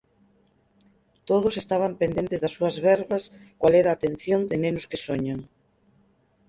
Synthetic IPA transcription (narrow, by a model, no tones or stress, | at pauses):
t̪oð̞osest̪aβ̞ampend̪ent̪ezðɐsːuɐzβɛɾβaskwalɛɾaːt̪ẽn̟θjond̪enẽnʊskesoɲaŋ